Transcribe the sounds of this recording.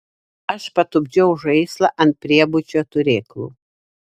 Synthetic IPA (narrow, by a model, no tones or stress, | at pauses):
ɐʃpɐt̪ʊbʲd͡ʒʲɛʊʒɐɪslˠɐʔɐnt̪̚pʲɾʲiɛbʊt͡ʃʲot̪ʊɾʲeːklˠṵː